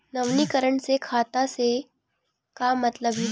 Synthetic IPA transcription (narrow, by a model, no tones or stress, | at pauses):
nəʋnikəɾəɳt͡sekʰat̪ase | kamːət̪ləbʱi